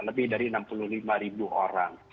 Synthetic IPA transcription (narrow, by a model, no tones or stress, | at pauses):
ləbɪhdaɾiənampulʊhlimaɾibuoɾaŋ